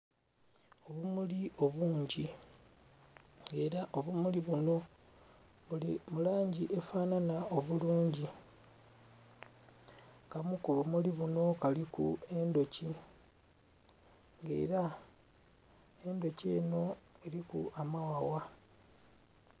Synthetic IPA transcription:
o̞βumulio̞βuːɲɟi | ŋɡe̞ːɾaʔo̞βumuliβuno̞ | βulḭmulaːɲɟiʔe̞faːnanao̞βuluːɲɟi | kamukoβumuliβuno̞kalikṵe̞ndo̞ci | ŋɡe̞̰ːɾa | e̞ndo̞ce̞ːno̞e̞ɾikṵamawawa

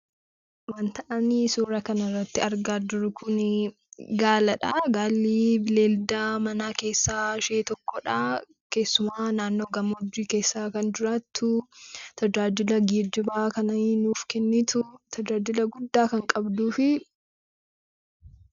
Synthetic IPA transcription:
wɐnt̪ɐʔɐniːsuːɾɐkɐnɐrːɐt̪ːɪɐɾɡaːd͡ʒʊɾʊkʊn | ɡaːlɐᶑaɡaːlːiːbɪleːld̪amɐnaːke̞ːsːaːʃeːt̪ɔkːɔᶑa | ke̞ːsːʊmaːnaːnːo̞ːɡɐmʊd͡ʒːiːke̞ːsːaːkɐnd͡ʒɪɾaːt̪ːʊt̪ɐd͡ʒaːd͡ʒɪlɐɡiːd͡ʒɪbaːkɐnɐnuːfkɛnːɪt̪ʊt̪ʰɐd͡ʒaːd͡ʒɪlɐɡʊd̪ːaːkɐŋkʼɐbd̪uːfɪ

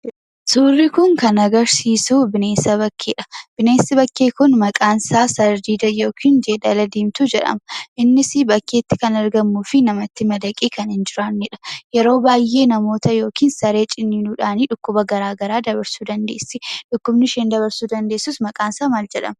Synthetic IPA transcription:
suːrːɪkʊŋkɐnɐɡɐɾsiːsuːbɪneːsɐβɐkːeːᶑɐ̥b̥ɪne̞ːsːɐbɐkːeːkʊnmɐkʼaːnsaːsɐɾd̪iːd̪ɐjo̞ːkʰiːnd͡ʒeːᶑɐlɐd̪iːmt̪ud͡ʒɛᶑɐ̰mɐʔɪnːɪsɪbɐkːe̞ːt̪ːɪkɐnɐɾɡɐmːuːfɪnɐmɐt̪ːɪmɐd̪ɐkʼiːkɐnhɪnd͡ʒɪɾaːnːɪᶑɐ̥jɛɾo̞ːbaːjʔe̞ːnɐmo̞ːt̪ɐjo̞ːkiːnsɐɾe̞ːt͡ʃʼɪnːinuːᶑaːniːᶑʊkːʊbɐɡɐɾaːɡɐɾaːd̪ɐbɐɾsuːd̪ɐnd̪e̞̰ːsːɪᶑʊkːʊbnɪʃeːnd̪ɐβɐɾsuːd̪ɐnd̪e̞ːsːʊsmɐkʼaːnsaːmaːld͡ʒɛᶑɐ̰mɐ

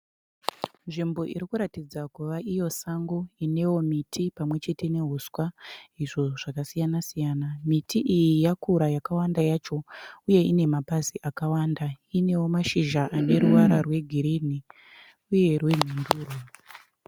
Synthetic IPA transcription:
nʐimbo̞ʔḭɾikuɾatid͡zakuʋaʔijo̞saŋɡo̞ine̞wo̞mitʰipamwe̞t͡ʃe̞tene̞ɦuswaiʐo̞ʐ̥akasijanasijaːnamitʰiʔijijakuɾajakawandajat͡ʃo̞uje̞ine̞mabaziʔakawandaine̞wo̞maʃiʒaʔane̞ɾuʋaɾarwe̞ɡʱiɾini | uje̞rwe̞n̤unduːro

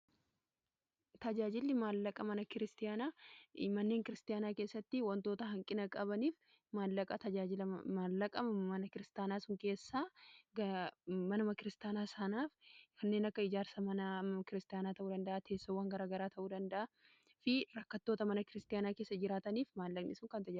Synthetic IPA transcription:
t̪ɐd͡ʒaːd͡ʒɪlːɪmaːlːɐkʼɐmɐnɐkɪɾɪst̪ɪjaːnaːmɐnːe̞ːŋkɪɾɪst̪ɪjaːnaːke̞ːsːɐt̪ːɪwɐnt̪o̞ːt̪ɐɦɐŋkʼɪnɐkʼɐbɐniːf | maːlːɐkʼɐt̪ɐd͡ʒaːd͡ʒɪlɐmaːlːɐkʼɐmɐnɐkɪɾɪst̪aːnaːsʊŋke̞ːsːaːɡɐmɐnɐmɐkɪɾɪst̪jaːnaːsɐnaːfkʰɐnːe̞ːnɐkːɐɪd͡ʒaːɾsɐmɐnɐɐkɪɾɪst̪ɪjaːnaːt̪ɐʔuːd̪ɐnd̪ɐʔaːt̪ʰe̞ːsːoːwɐŋɡɐɾaːɡɐɾaːt̪ʰɐʔuːd̪ɐnd̪ɐʔɐ | fɪɾɐkːɐt̪ːo̞ːt̪ɐmɐnɐkɪɾɪst̪ɪjaːnaːkeːsːɐd͡ʒɪɾaːt̪ɐniːfmaːlːɐkʼnɪsʊŋkɐnt̪ɐa

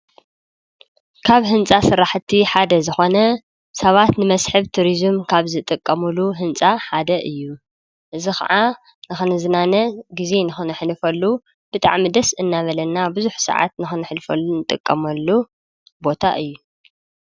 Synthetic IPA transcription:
kʰaβɦɨnt͡sʼasɨɾaħt̪ʰiħad̪ɐzɨxo̞nɐ | sɐβat̪nɨmɐsħɨβt̪ʰuɾizɨmkʰaβzɨt̪ʼɨkʼːɐmuluɦɨnt͡sʼaħad̪ɐʔɨjːu | ʔɨzixɐ̰ʕa | nɨxɨnɨzɨnanɐɡize̞nɨxɨnɨħlɨfɐlːu | b̥ɨt̪ʼa̰ʕmid̪ɐsɨnːaβɐlɐnːabɨzuħsɐ̰ʕa̰t̪nɨxɨnɨħlfɐnɨt̪ʼɨkʼːɐmɐlːu | bo̞t̪ʰa̰ʔɨjːu

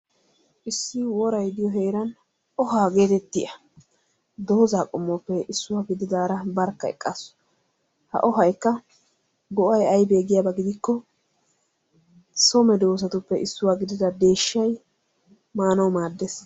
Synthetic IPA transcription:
ʔɪsːɪwɔɾɐjd̪ɪjɔɦe̞ːɾɐn | ʔɔɦaːɡe̞ːt̪ɛt̪ːɪʔɐ | d̪o̞ːzaːkʼʊmːɔpːɛɪsːʊwaːɡɪd̪ɪd̪aːɾɐbɐɾkːɐɛ̰kʼːɐs | hɐ̰ʔɔɦɐjkːɐ | ɡɔʔɐjɐjbe̞ːɡɪjaːbɐɡɪd̪ɪkːɔ | sɔmɛd̪o̞ːs̬ɐt̪ʊpːɛʔɪsːʊwaːɡɪd̪ɪd̪ɐd̪e̞ːʃːɐj | maːnɐwmaːd̪ːes

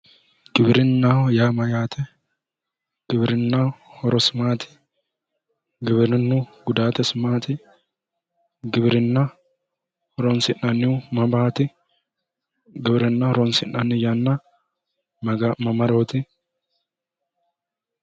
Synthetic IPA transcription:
ɡ̥ɪbɪɾɪnːaːjaːmɐjaːt̪ʰɛ | ɡ̥ɪbɾɪnːahɔɾɔsɪmaːt̪ɪ̥ | ɡɪbɾɪnːuːɡʊd̪aːt̪ɛsɪmaːt̪ɪ | ɡɪbɪɾɪnːɐ | hɔɾɔnsɪnɐnːɪumɐbaːt̪ɪ | ɡɪbɪɾɪnːɐɾɔnsɪnːɐnːɪjanːa | mɐmɐɾoːt̪ɪ

